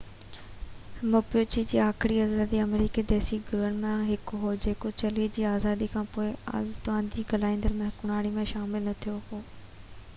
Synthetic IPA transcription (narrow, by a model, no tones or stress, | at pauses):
mʊpijoːt͡ɕid͡ʑiːaːxɪɾiaːzaːd̪iɐmɾiːked̪ɛːsiɡɾuənɪ̆mẽɦɪkɦoːd͡ʑeːkot͡ɕɐlid͡ʑiːaːzaːd̪ikʰãːpoːɪa̰t̪ʊʋãːnd͡ʑiːɡɐlaːɪ̃nd̪əɾmẽɦkʊnaːɽ̃imẽʃaːmɪlnɐt̪ʰijoɦoː